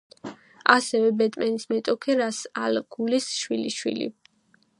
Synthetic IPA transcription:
asɛvɛbɛt̪ʼmɛnismɛt̪ʼɔkʰɛɾasalɡ̥ulisʃwiliʃwḭlḭ

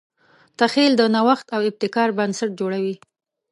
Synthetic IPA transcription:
t̪axeld̪ənawaxt̪awɪb̚t̪ɪkɑɾbansaʈ̚d͡ʒoɽawi

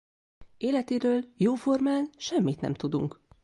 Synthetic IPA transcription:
eːlɛt̪eːɾøːljoːfo̞rmaːnʃɛmːit̪nɛ̰mt̪ud̪ṵŋk

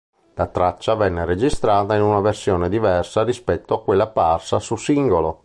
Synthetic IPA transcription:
lat̪ɾat͡ʃːavɛnːeɾed͡ʒist̪ɾaːt̪ainunaversjɔːned̪ivɛrsaɾispɛt̪ːoakːwelːaparsasusiŋɡolo

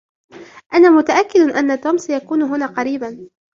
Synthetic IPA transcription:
ʔanaːmʊt̪aʔakːɪd̪ʔanːat̪uːmsajakuːnʊɦʊnaːqɑɾiːban

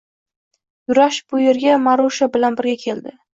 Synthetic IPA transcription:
jʊɾaʃb̥ʊje̞ɾɡʲamaɾoʃabɪlanbɪɾɡʲakʲʰe̞ld̪ɪ

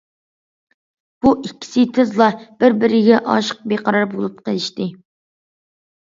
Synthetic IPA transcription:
b̥uʔikʲʰːi̥sɪt̪ʰɪzlˠɑb̥ɪɾbɪɾɪɡʲɛʔɑ̰ʃə̥q̚beqʰɑɾɑɾbolˠup̚qʰəlˠɪʃt̪ɨ

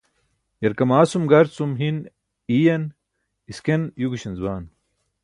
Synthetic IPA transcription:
jɐɾkɐmaːsumɡɐɾsumɦin | ijɐn | iskenjuɡuɕɐnzbaːn

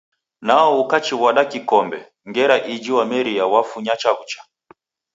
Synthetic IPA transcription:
naɔukat͡ʃiβaɗakikɔmbɛ | ŋɡɛɾaʔid͡ʒiwamɛɾiawafuɲat͡ʃaβut͡ʃḁ

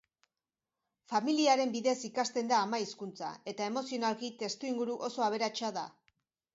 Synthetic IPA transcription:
familiaɾe̞mbiðesikast̪e̞nd̪aːmaiskunt͡sa̰e̞t̪ae̞mo̞sio̞nalkit̪e̞st̪uiŋɡuɾuʔo̞so̞aβ̞e̞ɾat͡ʃaða

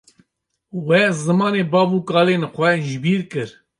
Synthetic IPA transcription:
wɛzɨmɑːneːbɑːbuːkɑːleːnxʷɛʒɪbiːɾkɨɾ

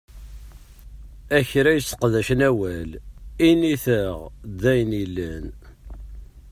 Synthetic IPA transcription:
æçɾæjəsə̥qðæʃnæwæliniθəʁd̪æjnilːæn

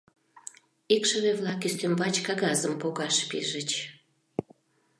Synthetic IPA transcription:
ikʃə̆βeβlɑk̬yst̪ømbɑt͡ɕkɑɣɑzəmpoɣɑʃpḭʒət͡ɕ

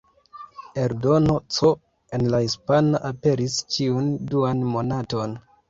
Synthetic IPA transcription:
e̞ɾdo̞no̞t͡so | e̞nlahispanaʔape̞ɾist͡ʃiunduanmo̞nato̞n

